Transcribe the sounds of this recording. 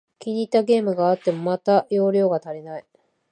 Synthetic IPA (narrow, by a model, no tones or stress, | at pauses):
kʲiɲ̟it̪aɡe̞ːmɯ̟ɡaːt̪ːe̞mo̞mat̪ajo̞ːɾʲjo̞ːɡat̪aɾʲinai